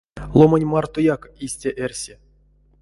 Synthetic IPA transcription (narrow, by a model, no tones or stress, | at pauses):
lˠomanʲmɑrt̪ojakisʲtʲaʔerʲsʲe